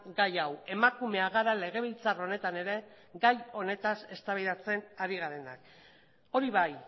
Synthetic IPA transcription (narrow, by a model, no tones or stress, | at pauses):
ɡajawe̞makume̞aɣaɾale̞ɣ̞e̞β̞ilt͡saro̞ne̞t̪ane̞ɾe̞ | ɡajo̞ne̞t̪ase̞st̪aβiðat͡se̞naɾiɣ̞aɾe̞na̰k | o̞ɾiβaj